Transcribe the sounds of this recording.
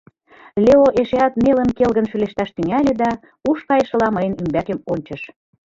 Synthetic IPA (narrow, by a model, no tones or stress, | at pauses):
lʲeoʔeʃeɑt̪melənkelɣənʃyleʃt̪ɑʃt̪yŋælʲĕd̪ɑ | uʃkɑjʃə̆lɑməjənymbækĕmonʲt͡ɕə̆ʃ